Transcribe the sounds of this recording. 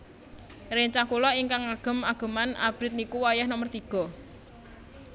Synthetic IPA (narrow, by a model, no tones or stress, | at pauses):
ɾeɲt͡ʃakulɔiŋkaŋaɡ̥ə̤maɡ̥ə̤mana̰b̥ɾɪt̪̚nikuwajɛhnɔmərt̪iɡ̥ɔ̤